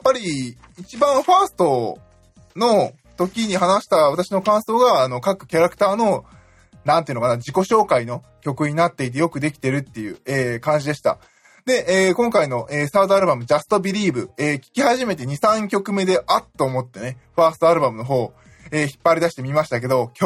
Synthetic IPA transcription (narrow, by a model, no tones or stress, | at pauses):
japːaɾʲiː | t͡ɕibãɰ̃ɸaːsɨ̥t̪o̞ | no̞ | t̪o̞kʲiɲ̟ihanaɕi̥t̪aβ̞at̪aɕino̞kãɰ̃so̞ːɡaːno̞kakɯ̟̥kʲaɾakɯ̟̥t̪aːno̞ | nãnt̪eɯ̟nokanad͡ʑiko̞ɕo̞ːkaino̞ | kʲo̞kɯ̟ɲ̟inat̪ːe̞it̪̬e̞jo̞kɯ̟d̪e̞kʲi̥t̪e̞ɾɯ̟t̪ːe̞jɯ̟ːeːkãɲ̟d͡ʑid̪e̞ɕi̥t̪a̰ | d̪e̞eːkõ̞ŋkaino̞ʔeːsaːd̪oaɾɯbamɯ̟d͡ʑasɨ̥t̪o̞bʲiɾʲiːbɯ̟eːkʲi̥kʲihaʑime̞t̪e̞ɲ̟isãŋkʲo̞kɯ̟me̞d̪e̞ʔat̪ːo̞ːmo̞t̪ːe̞ne̞ɸaːsɨ̥t̪o̞aɾɯ̟bamɯ̟no̞ɦo̞ː | eːçi̥pːaɾʲid̪aɕi̥t̪e̞mʲimaɕi̥t̪ak̬e̞d̪o̞kʲo